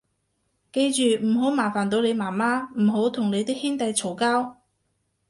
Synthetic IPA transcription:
ke˧jt͡ʃyː˨m̩˨˩ɦo˨˥wmaː˨˩faː˨˩nt̪̬o˨˧wle˨˧jmaː˨˩maː˥m̩˨˩ɦo˨˥wt̪ʰʊ˨˩ŋle˨˧jt̪iː˥k̚hɪ˥ŋt̪ɐ˨˧jt͡sʰo˨˩wkaː˥w

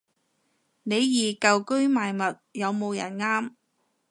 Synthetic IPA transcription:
ne˨˧jjiː˨kɐ˨wkɵ˥ɥmaː˨jmɐ˨t̚jɐ˨˧wmo˨˧wjɐ̰˨˩nŋaː˥m

